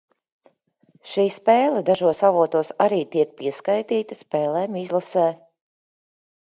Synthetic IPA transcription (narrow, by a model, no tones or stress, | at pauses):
ʃiːspɛːlˠɛd̪aʒuɔsavuɔt̪uɔsaɾiːt̪iɛk̚piɛskajt̪iːt̪ɐspɛːlˠɛːmizlˠasɛː